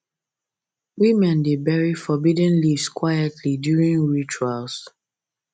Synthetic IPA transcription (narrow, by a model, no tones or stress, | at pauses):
wimɛ̃ndebɛɹifɔbidə̃nliskʰwajɛtʰlidjuɹĩŋɹit͡ʃuals